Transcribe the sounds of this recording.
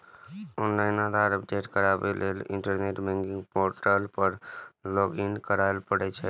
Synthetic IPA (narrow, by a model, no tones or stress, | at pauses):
ɔnlaɪnad̪ʱaɾəpɖeʈkəɾabeleliɳʈəɾneʈbɛ̃ŋɡiŋɡpoɾʈəlpəɾloɡinkəɾaelpəɽɛt͡ʃʰɛ